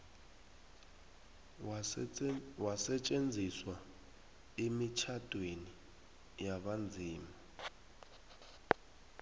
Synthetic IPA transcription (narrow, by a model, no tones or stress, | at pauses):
wasɛt͡ʃʼend͡zʱiswa | emit͡ʃʰadʼʱweni | jaɓand͡zʱiːma